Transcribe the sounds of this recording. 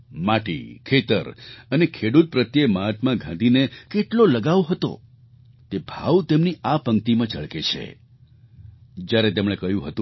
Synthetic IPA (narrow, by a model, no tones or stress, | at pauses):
maʈḭkʰet̪ə̰ɾənekʰeɽut̪̚pɾət̪jemaɦət̪mãɡʱã̰nd̪inekeʈloləɡaʋoɦət̪o̰ | t̪ebʱa̰wt̪emniapəŋt̪imãt͡ʃəɭket͡ʃʰḛ | d͡ʒjaɾet̪emɽ̃ekəjũɦət̪ũ